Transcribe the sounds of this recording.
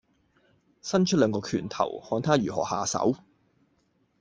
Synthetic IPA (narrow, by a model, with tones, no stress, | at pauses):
sɐ˥nt͡ʃʰɵ˥t̚lœː˨˧ŋkɔː˧kʰyː˨˩nt̪ʰɐ̰˨˩whɔː˧nt̪ʰaː˥jyː˨˩hɔ̰ː˨˩haː˨sɐ̰˨˥w